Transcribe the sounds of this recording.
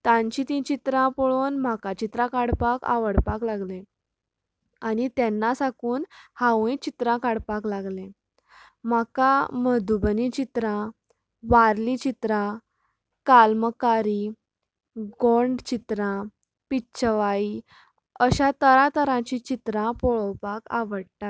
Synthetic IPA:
t̪ãɲt͡ɕĩt̪ĩt͡ɕit̪ɾãpoɭuːnm̤akat͡ɕit̪ɾãkaɽpaka̰ʋəɽpaklaɡlẽ | anit̪jɛnːasakuːnhaʋẽt͡ɕit̪ɾãkaɽpaklaɡlẽ | m̤akaməd̪ubənit͡ɕit̪ɾã | ʋaɾlit͡ɕit̪ɾã | kalməkaɾi | ɡoɳɖt͡ɕit̪ɾã | piɕʰəʋai | əɕat̪əɾat̪əɾãt͡ɕĩt͡ɕit̪ɾãpɔɭəwpaka̰ʋəɽʈa

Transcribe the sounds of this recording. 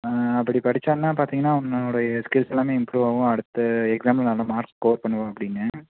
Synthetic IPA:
ɐpːɐɽipɐɽɪt͡ʃːaːnnːaːpaːɾt̪iːŋɡɐnːaːɔnːɐɔɽɐjɐskɪlsɛlːaːmeːɪmpɾuːʋaːʋʊ̃ɐɽɯt̪ːɯɛksaːmlnaːlɐ̃maːɾkskoːɾpɐɳːɯʋãɐpːɐɽɪnːɯ

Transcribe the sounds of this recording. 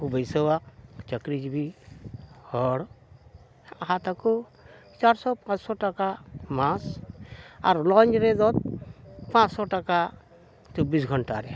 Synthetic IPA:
kubəjsəwak̚t͡ʃəkɾid͡ʒbi | hɔɽ | aɦat̪aku | t͡ʃaɾsɔpãt͡ʃsɔʈakamas | a̰ɾlɔnɾɛzɔt̪̚pãt͡ʃsɔʈaka | t͡ʃɔbisɡʱɔɳʈaɾɛ

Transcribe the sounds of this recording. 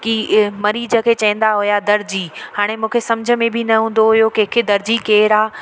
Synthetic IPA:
kimɐɾiːd͡ʑəkʰeːt͡ɕɐɪ̃n̆d̪aɦʊjad̪ɐɾd͡ʑihaːɽ̃emũːkʰesɐmd͡ʑʱə̆mẽbʱɪnɐɦũːn̆d̪oɦʊjokekʰed̪ɐɾd͡ʑikeːɾaː

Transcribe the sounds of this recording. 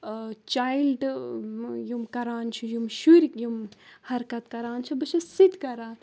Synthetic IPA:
t͡ʃaːilɖ | jumkɐɾaːnt͡ʃʰujumʃuɾjumhɐɾkɐt̪kɐɾaːnt͡ʃʰubɐt͡ʃʰɐsit̪kɐɾaːn

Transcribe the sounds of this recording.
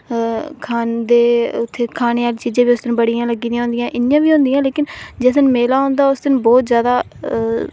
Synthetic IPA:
kʰaːnd̪eːʊt̪ʰːeːkʰaːneːaːlːt͡ʃiːd͡ʒãːʋiːʊsd̪ɪñːbəɽijãːləɡːiːd̪iãɦõnd̪ɪjãːʔɪnjãːʋiːɦõːnd̪ijãːleːkɪnd͡ʒeːsənmeːlaːɦõːnd̪aːʊsd̪ɪñːbɔːt̪zjaːd̪aː

